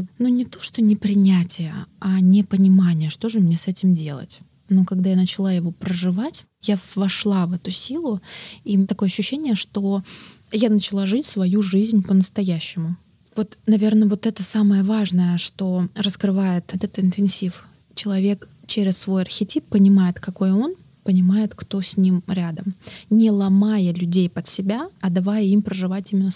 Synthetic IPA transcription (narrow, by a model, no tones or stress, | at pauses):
nunʲɪt̪o̞̥ʂt̪o̞nʲɪpɾʲɪnʲætʲɪjəanʲɪpənʲɪmanʲɪjəʂt̪o̞ʐɨmnʲesɛtʲɪmdʲe̞lˠə̰tʲ | nokɐɡd̪ajanət͡ɕɪlˠajɪvo̞pɾəʐɨvatʲ | javɐʂlˠavɛt̪ʊsʲilˠʊit̪ɐkoəɐɕːʉɕːenʲɪjəʂt̪o̞ | janət͡ɕɪlˠaʐɨtʲsvɐjuʐɨzʲnʲpənəst̪ɐjæɕːɪmʊ | vo̞t̪nɐvʲe̞rnəvo̞t̪ɛt̪əsaməjəvaʐnəjəʂt̪o̞rəskɾɨvajɪt̪t̪ɛt̪ɪnt̪ɨnsʲif | t͡ɕɪlˠɐvʲe̞kt͡ɕeɾʲɪssvo̞jɐrxʲɪtʲipːənʲɪmajɪt̪kɐko̞jo̞n | pənʲɪmajɪt̪kt̪o̞sʲnʲimɾʲad̪əmnʲɪlˠɐmajəlʲʉdʲejpət̪sʲɪbʲaɐd̪ɐvajəimpɾəʐɨvatʲimʲɪnːə